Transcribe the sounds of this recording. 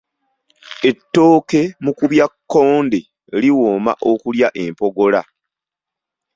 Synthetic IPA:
e̞tːo̞ːke̞mukuβjakːo̞ːnde | liwoːma̰ʔo̞kuljaʔe̞mpo̞ɡo̞la

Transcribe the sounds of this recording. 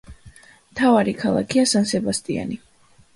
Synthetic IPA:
mt̪ʰavaɾikʰalˠa̰kʰiasansɛbast̪ʼia̰ni

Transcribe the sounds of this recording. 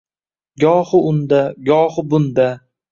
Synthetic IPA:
ɡʲɒhɨʊnd̪aɡʲɒhɨbʊnd̪a

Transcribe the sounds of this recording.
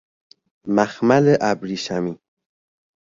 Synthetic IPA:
maxmaleʔabɾiʃami

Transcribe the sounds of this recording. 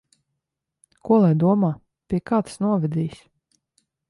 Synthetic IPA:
kuɔlˠɛjd̪uɔmaː | pʲiɛkaːt̪snuɔvʲɛd̪ʲiːjsʲ

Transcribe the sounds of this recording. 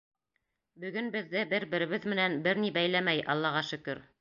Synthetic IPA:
bɵ̆ɡɵnbɘ̆ðːɘbɘɾbɘ̆ɾɘ̆βɘðmɘ̆nænbɘɾnibæjlæmæjʔɑ̰lˠːɑʁɑʃɵ̆kɵɾ

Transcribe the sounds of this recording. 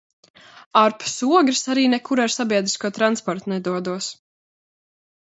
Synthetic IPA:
aɾpsuɔɡɾɨsaɾiːnɛkuɾaɾsabiɛd̪ɾiskuɔt̪ɾanspɔɾt̪nɛd̪uɔd̪uɔs

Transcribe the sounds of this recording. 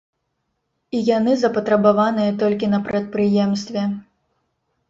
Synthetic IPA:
ijanɨzɐpɐt̪ɾɐbavanɨjɐt̪ɔlʲkʲinɐpɾɐt̪̚pɾɨjɛmst̪vʲɛ

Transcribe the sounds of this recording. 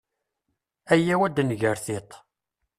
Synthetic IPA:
æjːæwæd̪nʝəɾθɪt̪ˤ

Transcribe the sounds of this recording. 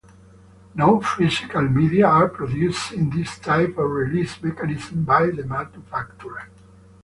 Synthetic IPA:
noʊfizikalmid̪iaːɹpɹɔd̪justĩnd̪ist̪ʰajpɔvɹilismɛkanizm̩bajðəmalt̪ufaktuɹ

